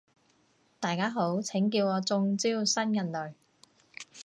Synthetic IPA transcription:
t̪aː˨jkaː˥ɦo˨˥wt͡sʰɪ˨˥ŋk̬iː˧wɔː˨˧t͡sʊ˧ŋt͡siː˥wsɐ˥njɐ˨˩nlɵ˨ɥ

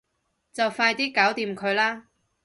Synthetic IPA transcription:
t͡sɐ˨wfaː˧jt̪iː˥kaː˨˥wt̪iː˨˧mkʰɵ˨˧ɥlaː˥

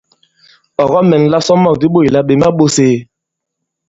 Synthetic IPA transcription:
ɔ˨ɣɔ˦mɛ˨n˨la˦sɔ˦mɔ˦˨k̚di˦ɓo˦˨i˨la˦ɓe˨ma˦ɓo˦seː˨

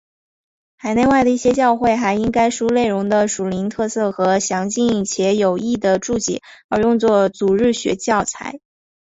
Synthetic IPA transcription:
xa˨˩ɪne˥˧ɪwa˥˩ɪd̪ə˩i˥˩ɕjɛ˥t͡ɕjɑ˥˧ʊxwe˥˩ɪxa˧˥ɪi˥ŋka˥ɪʂu˥le˥˩ɪɻʊ˧˥ŋd̪ə˧ʂu˨˩li˧˥nt̪ʰɤ˥˧sɤ˥˩xɤ˧˥ɕjɑ˧˥ŋt͡ɕi˥˩ŋ˩t͡ɕʰjɛ˧˥jo˨˩ʊi˥˩d̪ə˩ʈ͡ʂu˥˩t͡ɕḭ˥˩˦ə˞˧˥jʊ˥˧ŋt͡swɔ˥˩t͡su˨˩ɻɻ̩˥˩ɕɥɛ̰˧˥t͡ɕjɑ˥˩ʊt͡sʰa̰˧˥ɪ

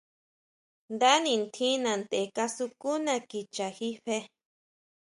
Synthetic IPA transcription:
nd̪a˦nĩ˧nt̪ʰĩ˦nã˨nd̪e˨ka˧su˧ku˦nã˧˨ki˨t͡ʃa˨xi˦ɸe˦

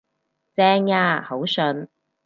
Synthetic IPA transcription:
t͡sɛː˧˥ŋaː˧ho˨˥wsɵ˧n

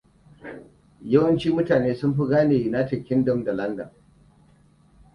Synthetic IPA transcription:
jɐ˦wɐ˦nt͡ʃiː˦mʊ˦taː˨neː˦sʊ˦mɸʊ˦ɡaː˦neː˨na˦tɪ˨kʲːɪ˦ndɔ˦mda˨lɐ˦ndɐ̰˨n

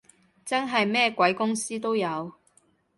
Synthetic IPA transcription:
t͡sɐ˥nɦɐ˨jmɛː˥kʷwɐ˨˧˥jkʊ˥ŋsiː˥t̪o˥wjɐ˨˧w

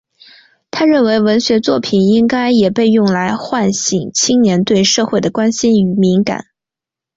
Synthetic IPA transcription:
t̪ʰa˥ɻə˥˩nwe˧˥ɪwə˧˥nɕɥɛ˧˥t͡swɔ˥˩pʰi˨˩ni˥ŋka˥ɪjɛ˨˩pe˥˧ɪjʊ˥˩ŋla˧˥ɪxwa˥˩nɕi˨˩ŋt͡ɕʰi˥ŋnjɛ˧˥nt̪we˥˧ɪʂɤ˥˧xwe˥˩ɪd̪ə˩kwa˥nɕi˥ny˧˨˩mi˧˥ŋka̰˨˩˦n

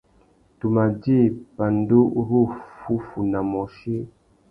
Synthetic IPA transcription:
tu˨ma˨di˦˨pa˨n˦do˦ɾu˦˨fu˦fu˨na˨mɔ˨ʃe˦

